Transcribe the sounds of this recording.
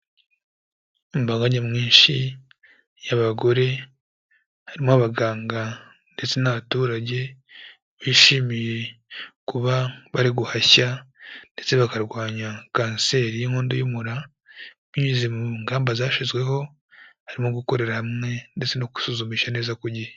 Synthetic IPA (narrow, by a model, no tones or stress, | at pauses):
imbaːŋɡaɲamŋiːnʃi | jaβaɡo̞ɾe̞ | haɾimoaβaɡaːŋɡa | nde̞t͡se̞naβatuːɾaɟe̞ | βiʃimije̞kuβaβaɾiɡuhaçande̞t͡se̞βakaɾɡwaːɲakaːnse̞ːɾijiŋho̞ːndojumuɾa | miɲizemuŋɡaːmbazaːʃizɡwe̞ɦo̞ | haɾimo̞ɡuko̞ɾe̞ɾahamŋe̞nde̞t͡se̞noku̥suzumiːʃaneːzakuɾɟihe